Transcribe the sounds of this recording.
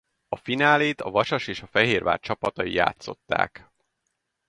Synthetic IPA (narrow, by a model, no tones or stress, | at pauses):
ɒfinaːleːt̪ɒvɒʃɒʃeːʃɒfɛɦeːrva̰ːrt͡ʃɒpɒt̪ɒjija̰ːt̪so̞̰t̪ːa̰ːk